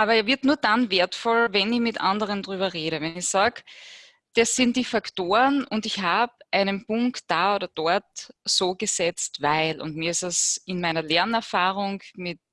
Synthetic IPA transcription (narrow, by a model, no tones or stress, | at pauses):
ʔaːbɐɛːɐvɪɐtnuːɐdanveːɐtfɔlvɛnɪçmɪtʔa̰ndəʁ̞əndʁyːbɐʁeːɾəvɛnɪçsaːk | d̥asːɪnt̚d̥iːfaktoːʁənʊndɪçhaːbʔæɪnənpʊŋktd̥aːoːɾɐd̥ɔɐtsoːɡ̥əzɛt͡stvaɪlʊ̰ntmiːɐɪstasɪnmæɪnɐlɛɐnɛɐfaːʁʊŋmɪt̚